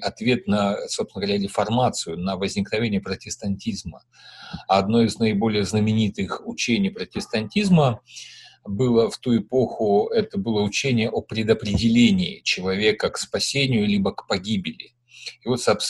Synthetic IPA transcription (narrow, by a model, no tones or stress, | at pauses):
ɐt̪vʲe̞t̪nəso̞psnəɡəvɐɾʲaɾʲɪfɐrmat̪sɨjʊnəvəzʲnʲɪknɐvʲenʲɪjəpɾətʲɪst̪ɐnʲtʲizmə | ɐd̪no̞ɪznəɪbo̞lʲɪjəznəmʲɪnʲit̪ɨxʊt͡ɕenʲɪjpɾətʲɪst̪ɐnʲtʲizmə | bɨlˠəft̪uɪpo̞xʊɛt̪əbɨlˠəʊt͡ɕenʲɪjəʔopɾʲɪd̪əpɾʲɪdʲɪlʲenʲɪːt͡ɕɪlˠɐvʲe̞kəkspɐsʲenʲɪjʊlʲibəkpɐɡʲibʲɪlʲɪ | ɪvo̞t̪sɐps